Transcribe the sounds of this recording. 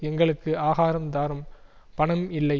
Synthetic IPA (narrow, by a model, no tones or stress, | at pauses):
ɛŋɡɐɭɯkːɯaːɣaːɾɐmd̪aːɾɐm | pɐɳɐmɪlːɐɪ